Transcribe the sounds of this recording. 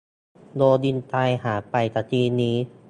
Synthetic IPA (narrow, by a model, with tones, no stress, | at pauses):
doː˧di˧˩˨nt̪aː˧jhaː˩˦pa˨˩jt̪aː˧˩t̪ʰiː˧niː˧˥